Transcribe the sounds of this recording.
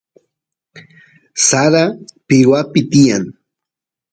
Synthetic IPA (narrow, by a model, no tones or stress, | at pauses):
saɾapɪwapɪt̪ɪjaŋ